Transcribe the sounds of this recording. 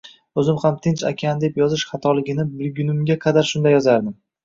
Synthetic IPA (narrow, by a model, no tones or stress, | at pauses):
ɵzɪmχamt̪ʰɪnt͡ʃa̰kʲʰand̪e̞pjɒzɪʃχɑt̪ʰɒlˠɪɡʲɪnɪbɪɾɡʲʊnɪmɡʲaqʰɑd̪aɾʃʊnd̪ajːɒzaɾd̪ɪm